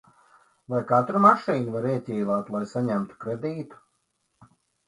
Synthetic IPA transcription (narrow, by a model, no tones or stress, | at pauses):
vajkat̪ɾumaʃiːnuvaɾiɛt̪ʲɛjvaːt̪lˠajsaɲæmt̪u̥kɾed̪iːt̪u̥